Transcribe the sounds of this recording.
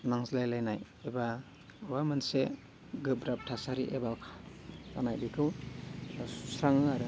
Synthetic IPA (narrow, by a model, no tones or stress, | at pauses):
naŋslajlajnaj | eba | bamɯntse | ɡɯbɾap̚tʰasaɾiʔebakʰḁka̰najbikʰɯw | sɾaŋɯaɾɯ